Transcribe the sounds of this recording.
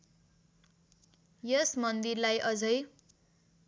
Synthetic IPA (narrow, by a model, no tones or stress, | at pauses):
jʌsmʌnd̪irlajʔʌd͡zʌj